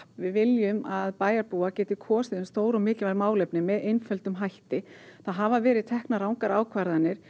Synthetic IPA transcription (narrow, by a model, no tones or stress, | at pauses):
pvɪðvɪljʏmaðpaːjaɾpuacɛːt̪ɪkʰɔːsɪðʏmst̪oːwɾɔmɪːclɪvajɾmaːwlɛpnɪmɛðejnfœlt̪ʏmɦajht̪ɪθaðɦavavɛːɾɪðt̪ʰɛhknaɾawŋkaɾaːwkʰvaɾðanːɪɾ̥